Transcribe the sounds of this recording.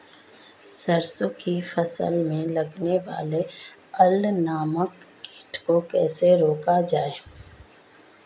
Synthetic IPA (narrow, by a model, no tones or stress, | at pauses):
səɾsokifəsə̰lmẽlɐɡneʋa̰ːle | əlnaːməkː | ɪʈʰkokɛːseɾoːkad͡ʒaːeː